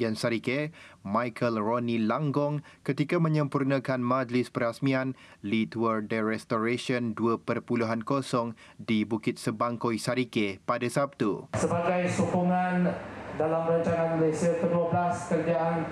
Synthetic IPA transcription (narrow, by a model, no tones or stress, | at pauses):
jansaɾikemãjkʰəlronilaŋɡɔŋkət̪ikamə̃ɲə̃mpurnə̃kanmãd͡ʒlispəɾasmĩanlit̪uərdəɾɛst̪oɾeʃiɔnduəpərpuluɦankosɔŋdibukɪt̪̚səbaŋkojsaɾikepadasap̚t̪usəbaɡajsupuŋandalamɾaɲt͡ʃaŋanməlajsiak̪əduablaskəɾd͡ʒaʔan